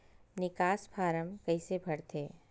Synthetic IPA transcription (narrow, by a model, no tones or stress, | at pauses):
nɪkaːspʰaːɾəmkɐisebʱɐɽt̪ʰeː